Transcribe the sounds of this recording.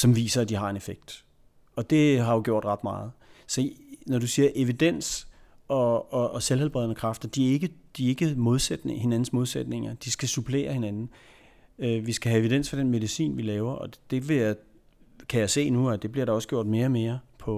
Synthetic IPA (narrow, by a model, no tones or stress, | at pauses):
sɒ̽mʋḭːsɐæd̥ihɑ̈e̝nefeɡ̥̚d̥ | ɒ̽d̥e̝ɦɑ̈jo̝ɡ̥jo̝̰d̥ʁɑ̈d̥mɑ̈ːð̞̩ˠsɒ̽nɒɾ̥usiːɐʔe̝ʋid̥en̰s | ɒ̽ɒ̽ːselhel̰b̥ʁɛðˠnəkʰʁɑ̈fd̥ɐd̥iæe̝ɡ̥əd̥ie̝ɡ̥əmo̝ð̞ˠsed̥nehe̝næn̩smo̝ð̞ˠsed̥ne̝ŋɐd̥isɡ̥æsubʰle̝̰ːɐhe̝nænn̩ | øʋisɡ̥æɦæe̝ʋid̥en̰sfɒ̽d̥enme̝ð̞ˠisḭːnʋilɛːʊɐʔɒ̽d̥e̝ʋe̝ja | kʰæjaɪse̝̰ːnuæd̥e̝b̥liɐɾ̥ɑ̈ɒ̽sɡ̥jo̝̰d̥me̝ːɐme̝ːɐpʰɒ̽